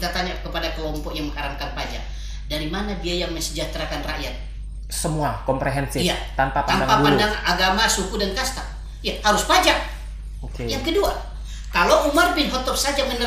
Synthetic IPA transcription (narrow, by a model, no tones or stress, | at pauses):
t̪at̪aɲakəpadakəlɔmpɔkjaŋməŋhaɾamkanpad͡ʒa̰k̚ | daɾimanadiajaŋməɲsəd͡ʒat̪ɾakanra̰ʔjat̪̚ | səmuakɔmpɾeɦɛnsɪijat̪ampapaamdaŋpapadaŋaɡamasukudankast̪a | jahaɾʊspad͡ʒak̚ | okejaŋkədua | kaloumarbɪnɦɔt̪ɔpsad͡ʒamənə